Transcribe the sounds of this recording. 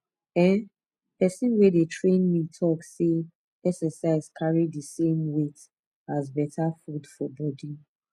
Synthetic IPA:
ɛ̃n | pɛsĩnwɛdetʰɹẽnmitʰɔkse | ɛksɛsaɪzkʰaɹidəsẽmwet | azbɛtʰafudfɔbɔdi

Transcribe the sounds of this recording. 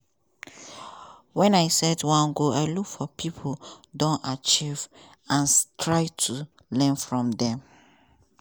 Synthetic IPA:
wɛ̃naɪsɛdwãnɡoaɪlukfɔpʰipʰodɔ̃nat͡ʃiv | ãntʰɹaɪtʰu | lɛ̃nfɹɔ̃mdɛ̃m

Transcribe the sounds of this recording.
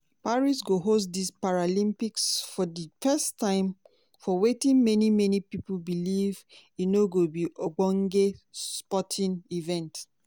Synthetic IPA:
paɹisɡoɦos̬dispaɹalĩmpiksfɔdifɛstʰːãɪ̃m | fɔwetĩnmɛnimɛnipipubiliv | inoɡobiʔoɡ͡bɔ̃ŋɡesspɔtʰĩnivɛ̃nt

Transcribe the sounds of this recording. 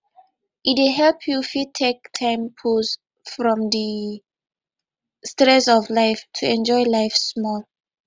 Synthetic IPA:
ʔitweɦɛlpʰjufitʰːek̚tʰãɪ̃mpʰus | fɹɔ̃mdi | stɹɛsɔvlaɪftʰuɛ̃nd͡ʒɔjlajfsmɔl

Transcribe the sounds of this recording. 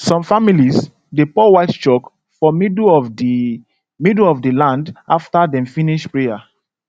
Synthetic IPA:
sɔ̃mfamiliz | depɔwaɪtt͡ʃɔk | fɔmidɔvdi | midlɔvdelãndaftadɛ̃mfĩniʃpɹeja

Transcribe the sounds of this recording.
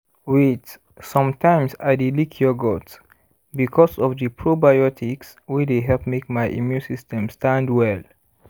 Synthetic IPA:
wit | sʌ̃mtʰãɪ̃msadilikʰiɔɡɔt | bikʰɔsɔvðəpʰɹobajɔtʰiks | wideɦɛlpmek̚majʔḭmjũnsistɛ̃mstãndwɛl

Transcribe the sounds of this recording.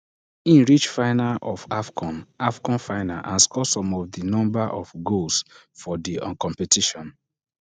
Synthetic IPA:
ĩnɹit͡ʃfaɪnaʔɔfafkʰɔ̃nafkɔ̃nfaɪnaʔãnskɔsɔ̃mɔvdinɔ̃mbaʔɔfɡols | fɔdiɔ̰̃kɔ̃mpetiʃɔ̃n

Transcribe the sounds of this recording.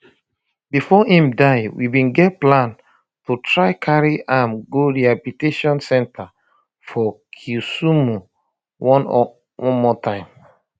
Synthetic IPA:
bifɔhĩmdaɪwḭbĩnɡɛt̚plãn | tutʰɹaɪkʰaɹiʔamɡoɹiapiteʃɔ̃nsɛ̃ntʰa | fɔkʰusumu | wɔ̃n | wɔ̃mɔtãɪ̃m

